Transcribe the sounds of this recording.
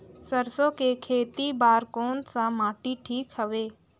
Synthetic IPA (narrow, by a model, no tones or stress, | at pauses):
səɾsõkekʰeːt̪ibaːɾkoːnsãmaːʈiʈʰiːkɦəʋeː